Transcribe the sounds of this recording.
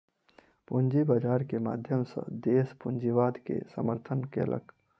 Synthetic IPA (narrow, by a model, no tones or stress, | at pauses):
pund͡ʒibad͡ʒaːɾkema̰ːd̪ʱjəmsə̰̃d̪eːspʊnd͡ʒiʋaːd̪kḛsə̰məɾt̪ʰənkḛlʔə̰k